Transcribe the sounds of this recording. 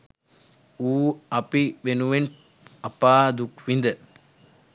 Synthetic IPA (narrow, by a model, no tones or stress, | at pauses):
uːɐpiʋenuʋen | ɐpaːd̪ukʋind̪ə